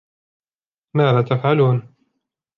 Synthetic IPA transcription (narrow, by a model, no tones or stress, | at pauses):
maːðaːt̪afʕaluːn